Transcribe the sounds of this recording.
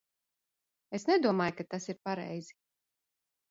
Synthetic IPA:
esnɛd̪uɔmaːjkat̪asiɾpaɾɛ̰jz̥i

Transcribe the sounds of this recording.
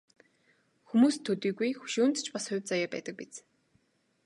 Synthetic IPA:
xumuːst̪ʰːɵt̪iːɡujxu̥ʃuːnt̪t͡ɕpasχʊ̟t͡sajaːpæ̰ːt̪ə̆k̚pit͡s

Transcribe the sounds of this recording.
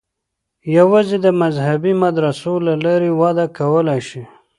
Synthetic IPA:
jawazid̪əmazhabimad̪ɾasolalaɾewɑd̪akawəlajʃi

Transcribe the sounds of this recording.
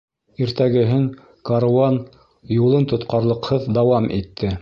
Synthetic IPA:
iɾt̪æɡɘ̆ɦɘŋ | kɐɾɑn | julˠɤnt̪ŏt̪̚qɑɾlˠɤ̆qhɤðd̪ɑwɑmʔḭt̪ːɘ

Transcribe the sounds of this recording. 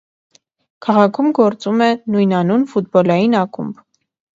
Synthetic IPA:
kʰɑʁɑkʰumɡɔɾt͡sumɛnujnɑnunfut̪̚bɔlɑjinɑkʰṵmb

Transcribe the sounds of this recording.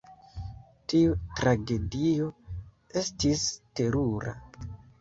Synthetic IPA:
tiutɾaɡe̞dio̞ | e̞stiste̞ɾuɾa̰

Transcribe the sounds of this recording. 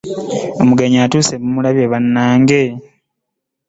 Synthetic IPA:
o̞muɡaɲaːtuːsemumulaβjeβanːaːŋɡe̞

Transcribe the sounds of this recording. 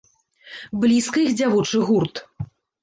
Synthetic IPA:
blʲiskɐixd͡zʲavɔt͡ʂɨɣurt̪

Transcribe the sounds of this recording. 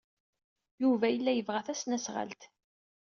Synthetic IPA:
juvæjəlːæjəvʁæθæsnæsʁə̰lt̪

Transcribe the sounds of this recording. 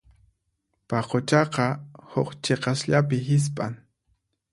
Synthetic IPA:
paqot͡ʃɑqɑhoqt͡ʃeqɑsʎapɪɦɪs̬pʼaŋ

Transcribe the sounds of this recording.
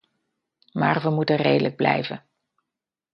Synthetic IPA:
maːrʋəmutərejdələɡ̚blɛ̰jvə̰n

